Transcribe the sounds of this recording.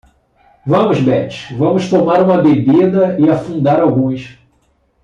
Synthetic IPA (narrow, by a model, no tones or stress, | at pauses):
vɐ̃mʊzbɛt͡ʃɪ̥ʃvɐ̃mʊʃt̪omaɾũmɐbebid̪ɐɪafũd̪aɾawɡũs